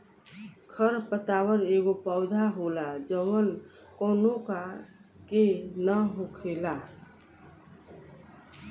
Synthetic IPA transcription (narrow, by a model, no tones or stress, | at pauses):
kʰəɾpət̪aːwəɾeːɡopəʊd̪ʱaɦolad͡ʒəʋən | kɔːnõkakenəɦokʰela